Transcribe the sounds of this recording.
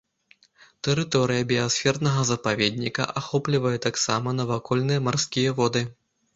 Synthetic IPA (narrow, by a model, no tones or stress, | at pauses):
t̪ɛɾɨt̪ɔɾɨjɐbʲiasʲfʲɛrnɐɣɐzɐpavʲɛd̪̚ʲnʲikɐ̰ʔaxɔplʲivɐjɛt̪aksamɐnɐvakɔlʲnɨjɛɐmarskʲijɐvɔd̪ɨ